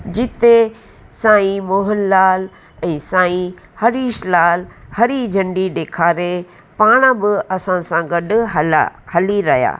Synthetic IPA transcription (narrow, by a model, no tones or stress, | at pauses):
d͡ʑɪt̪e | sãːĩmoːɦənlaːl | ɛ̃ːsãːĩ | hɐɾiːʃlaːlhɐɾid͡ʑʱɐ̃ɳɖiɗeːkʰaːɾe | paːɽ̃bɪɐsãsãɡɐɗɦɐla̰hɐliɾɐɦija̰ː